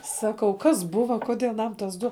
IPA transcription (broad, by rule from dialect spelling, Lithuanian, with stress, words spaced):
ˈsɑːkɐʊ ˈkɐs ˈbʊʋɐ ˈkʊdʲeː ɐˈnɐm tɐs ˈdʊ